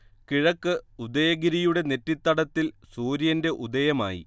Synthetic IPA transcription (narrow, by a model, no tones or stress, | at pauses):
kiɻɐkːɨud̪ɐjɐɡiɾijuɽe̞ne̞tːit̪ːɐɽɐt̪ːilsuːɾjɐnde̞ʔud̪ɐjɐma̰ːjḭ